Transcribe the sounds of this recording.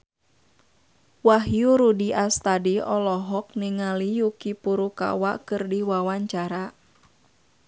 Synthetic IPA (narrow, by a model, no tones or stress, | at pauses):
waɦjuɾudiʔast̪adiɔlɔɦɔk̚niŋalijukipuɾuka̰waʔkɨrdiwawaɲt͡ʃaɾa